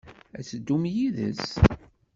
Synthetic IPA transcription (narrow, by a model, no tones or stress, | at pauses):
æsəd̪ːumjiðə̰s